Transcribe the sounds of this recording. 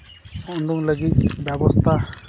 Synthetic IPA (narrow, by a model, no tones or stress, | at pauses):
ɔnɖuŋləɡit̪bɛbɔst̪ʰa